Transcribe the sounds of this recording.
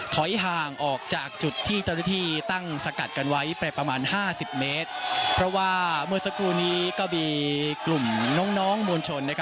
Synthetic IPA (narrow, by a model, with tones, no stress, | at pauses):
t̪ʰɔ˩˦jɦaː˨˩ŋʔɔː˨˩k̚t͡ɕaː˨˩k̚t͡ɕu˨˩t̪ʰːiː˥˩t͡ɕa˥˩wnaː˥˩t̪ʰiː˥˩t̪a˥˩ŋsa˧ka˨˩t̪̚ka˧nwa˦˥jpɾɛː˧pɾa˧maː˧nhaː˥˩si˨˩p̚meː˦˥t̪̚pʰɾɔ˦˥waː˥˩mɯ˥˩əsa˧kɾuː˧niː˦˥kɔː˥˩miː˧klu˨˩mnɔ˦˥ŋnɔː˦˥ŋmuː˧nt͡ɕʰo˧nːa˦˥kʰa˦˥